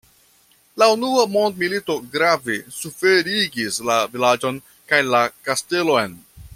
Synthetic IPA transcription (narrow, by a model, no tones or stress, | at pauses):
launuamo̞ndmilito̞ɡɾavesufe̞ɾiɡislavilad͡ʒo̞n | kajlakaste̞lo̞jn